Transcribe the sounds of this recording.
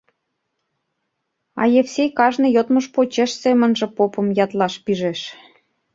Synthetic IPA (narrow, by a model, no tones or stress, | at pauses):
ɑ̰jefsʲejkɑʒnɤ̆jot̪məʃpot͡ɕeʃsemə̆nʒĕpopɤ̆mjɑt̪lɑʃpiʒeʃ